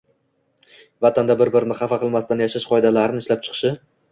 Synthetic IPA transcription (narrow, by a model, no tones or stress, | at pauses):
vat̪ʰand̪abɪɾbɪɾɪnɪχɑfɑqʰɨlˠmast̪anjaʃaʃqʰɒɪd̪alaɾɪnɪʃlap̚t͡ʃʰɨ̥qʰɨ̥ʃɪ